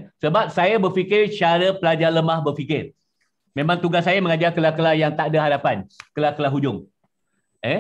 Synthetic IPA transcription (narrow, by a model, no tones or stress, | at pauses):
səbap̚sajəbərfikɪrt͡ʃaɾəpəlad͡ʒarləmahbərfikɪr | mẽmãŋt̪uɡasːajəməŋad͡ʒarkəlakəlahjaŋt̪adaɦadapankəlakəlaɦud͡ʒʊŋ | ɛ